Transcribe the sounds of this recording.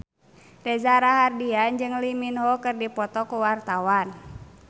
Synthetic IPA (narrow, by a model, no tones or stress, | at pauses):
rɛzaɾaɦardiand͡ʒɨŋliminɦɔkɨrdipɔt̪ɔkuwart̪awan